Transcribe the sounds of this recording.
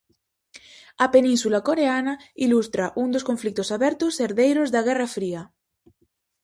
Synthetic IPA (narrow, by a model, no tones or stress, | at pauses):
apenĩnsulakoɾeanailust̪ɾaʔund̪oskoɱflik̚t̪osaβɛɾt̪oseɾðejɾozðaɣɛrafɾia